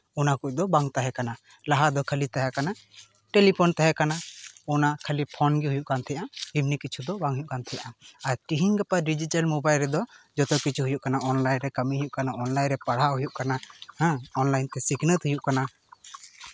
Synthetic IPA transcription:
ɔnakuc̚ˀd̪ɔbaŋt̪aɦɛkana | laɦad̪ɔkʰəlit̪aɦɛkana | ʈelipʰɔnt̪aɦɛkanaɔnakʰəlipʰɔnɡiɦujuʔkant̪ʰɛjaʔahibnikit͡ʃʰud̪ɔbaŋɦujuʔkant̪ʰɛjaʔaaɾʈiɦiŋɡapaɖid͡ʒiʈalmobajlɾɛd̪ɔd͡ʒɔt̪ɔkit͡ʃʰuɦujuʔkanaʔɔnlajnɾɛkəmiɦujuʔkanaɔnlajnɾɛpaɽaɦujuʔkanahɛ̃ɔnlajnt̪ɛsiknət̪ɦujuʔkana

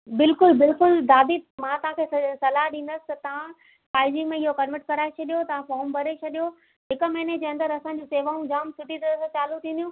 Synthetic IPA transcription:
bɪlkʊlbɪlkʊld̪aːd̪imãt̪ɐʋ̤ãkʰeːssɐlaɦɗĩːn̆d̪əsɪ̥t̪ɐt̪ɐʋ̤ã | paːɪd͡ʑɪ̃ŋmẽɪɦokɐnʋəʈ̚kɐɾaːet͡ɕʰɐɗijot̪ɐʋ̤ãfɔːɾmbʱɐɾet͡ɕʰɐɗijo | ɦɪkə̆mɛːned͡ʑeːɐ̃nd̪əɾɐsãːɲd͡ʑũseːʋaːũd͡ʑaːmsɪʈit̪ɐəst͡ɕaːlut̪ʰĩːnd̪ijũ

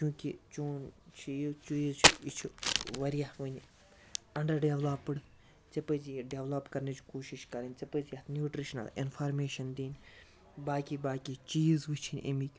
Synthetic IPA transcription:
t͡ʃũːkit͡ʃoːnt͡ʃʰijt͡ʃuzt͡ʃʰit͡ʃʰuʋɐɾijaʋɨnʲ | ɐɳɖɐɾɖeʋlapːɨɽ | t͡sɐpəziɖeʋlɐpkɐɾnet͡ʃʰkoːʃiʃkɐɾɐnʲt͡sɐpəzijɐt̪ʰnjuːʈɾiʃnɐ̰lḭnfʰaːɾmeːʃɐnd̪iːnʲ | baːkibaːkʲit͡ʃiːzʋɨt͡ʃʰinʲʔḭmikʲ

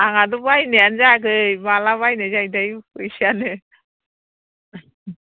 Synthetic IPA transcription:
aŋadubajneanzaɡɯjmalaβajnɯzajdajkɯjsianɯ

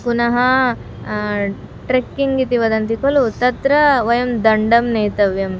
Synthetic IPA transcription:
ɡunɐɦɐ | ʈɾekːiŋɡit̪iʋɐd̪ɐnt̪ikɐlut̪ɐt̪ɾɐʋɐjɐmd̪ɐɳɖɐmneːt̪ɐʋjɐm

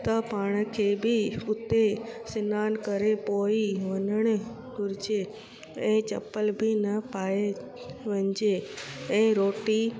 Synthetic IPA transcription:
t̪ɐpaːɽ̃kʰeːbɪʊt̪esɪnaːnkɐɾepoːiʋɐnəɽ̃ | ɡʊɾɪd͡ʑe | ɛ̃ːt͡ɕɐ̰pəlbʱɪnɐpaːe | ʋɐ̃ɲd͡ʑeɛ̃ːɾoːʈi

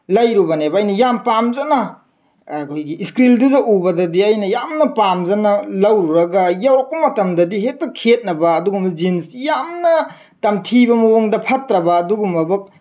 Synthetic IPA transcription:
lɐjɾubɐnebɐːjnɐjampamzɐnɐ | kʰojɡiːskɾildudɐʔubɐdɐdiajnɐjamnɐpamzɐnɐlɐwɾuɾɐɡɐjawɾɐk̚pɐmɐtɐmdɐdiɦek̚tɐkʰet̚nɐbɐːduɡumɐzinsjamnɐ | tɐmtʰibɐmuwoŋdɐpʰɐtɾɐbɐːduɡumːɐbɐk̚

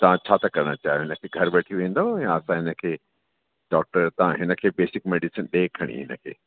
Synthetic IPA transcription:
t̪ɐʋ̤ãt͡ɕʰaːt̪ɐkɐɾəɽ̃ət͡ɕaːɦijoɦɪnəkʰeːɡʱɐɾbɐʈʰiʋẽːnd̪ãjãɐsãɦɪnə̆kʰeː | ɖɔːk̚ʈəɾt̪ɐʋ̤ãɦɪnə̆kʰeːbeːsɪk̚meːɖisənɗeːkʰɐɽ̃ḭɦɪ̰nə̆kʰḛː

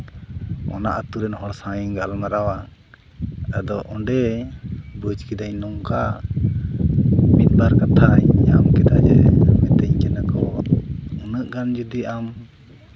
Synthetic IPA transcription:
ɔ̰na̰ʔat̪uɾɛnhɔɽsãjiɡalmaɾawa | ɛd̪ɔʔɔɖɛ | bəd͡ʒkɛd̪aɲnɔŋka | mit̪̚baɾkat̪ʰaɲa̰mkɛd̪ad͡ʒɛ̰mɛt̪ɛɲkɛnakɔ | unəʔɡand͡ʒud̪iam

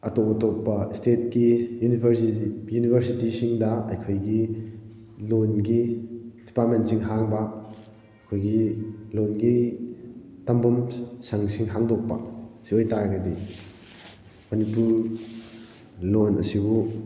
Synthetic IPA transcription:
ɐtobɐtopːɐstet̚kijunibʱɾsijunibʱeɾsitisiŋdɐɐjkʰojɡi | lonɡid̥ipat̚mentsiŋɦaŋbɐ | jkʰojɡilonɡi | tɐmbɐmsɐŋsiŋɦaŋdok̚pɐ̰siojtaɾɡɐdi | mɐnipuɾ | lonɐ̰sibu

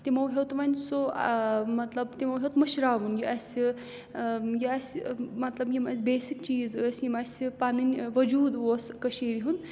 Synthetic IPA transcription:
t̪imɐwɦewt̪ʋɐnʲso | mɐt̪lɐbt̪imɐwɦewt̪mɐʃɾaːʋunjiɐsʲi | jiɐsʲmɐt̪lɐbjimɐsʲbeːsikt͡ʃiːzəːsʲjimɐsʲipanɨnʲʋɐd͡ʒuːd̪oskɐʃeːɾiɦun

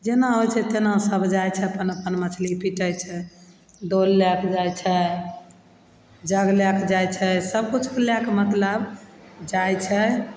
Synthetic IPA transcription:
d͡ʒenaɦojt͡ʃʰɛt̪enasəbʱd͡ʒajt͡ʃʰɛəpənəpənmət͡ʃʰlipiʈəjt͡ʃʰɛ | d̪olːakd͡ʒajt͡ʃʰɛ | d͡ʒəɡlaked͡ʒajt͡ʃʰɛsəbkut͡ʃʰkelakemət̪ləbd͡ʒajt͡ʃʰɛ

